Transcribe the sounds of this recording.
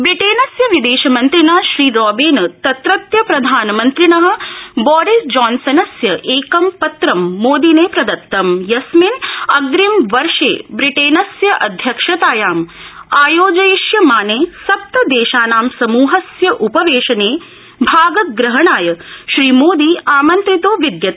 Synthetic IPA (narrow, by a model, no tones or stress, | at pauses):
bɾiʈeːnɐsjɐʋid̪eːʃɐmɐnt̪ɾinaːʃɾiːɾɔːbiːnɐt̪ɐt̪ɾɐt̪jɐpɾɐd̪ʱaːnɐmɐnt̪ɾinɐɦɐ̆bɔːɾisd͡ʒaːnsɐnɐsjɐʔeːkɐmpɐt̪ɾɐmːoːd̪ineːpɾɐd̪ɐt̪ːɐmjɐsminɐɡɾimʋɐɾʃḛːbɾiʈeːnɐsjɐʔɐd̪ʱjɐkʂɐt̪aːjaːm | aːjoːd͡ʒɐjiʃjɐmaːneːsɐp̚t̪ɐd̪eːʃaːnaːmsɐmuːɦɐsjɐʔupɐʋeːʃɐneː | bʱaːɡɐt̪̚ɡɾɐɦɐɳaːjɐʃɾiːmoːd̪iːaːmɐnt̪ɾit̪oːʋid̪jɐt̪